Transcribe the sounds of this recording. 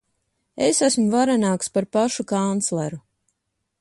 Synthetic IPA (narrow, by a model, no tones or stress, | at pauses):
esasmuvaɾanaːkspaɾpaʃukant̪slˠeɾu